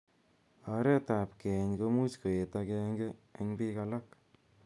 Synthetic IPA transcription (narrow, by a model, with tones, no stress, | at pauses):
a˨ɾɛ˦ta˨p̚kɛ˨ɲko˧mu˦t͡ʃko˨e˨ta˧kɛ˧ŋɡe˦e˧ŋbi˦ka˧la˦k̚